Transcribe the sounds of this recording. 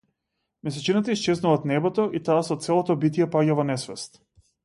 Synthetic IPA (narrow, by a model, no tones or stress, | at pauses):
mɛsɛt͡ʃinat̪aist͡ʃɛznuvat̪nɛbɔt̪ɔʔit̪aːsɔt̪sɛlˠɔt̪ɔbit̪jɛpaɟavɔnɛsvɛst̪